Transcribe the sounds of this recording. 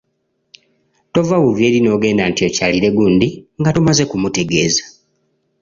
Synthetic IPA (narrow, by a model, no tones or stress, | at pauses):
to̞vawuve̞ːɾino̞ːɡe̞ːndantio̞caliɾe̞ɡundiŋɡatomaze̞kumute̞ɡe̞ːzḁ